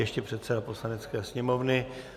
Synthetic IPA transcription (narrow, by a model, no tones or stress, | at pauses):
jɛʃcɛpr̝̥ɛt̪sɛdapo̞slanɛtt͡skɛːsɲɛmo̞vnɪ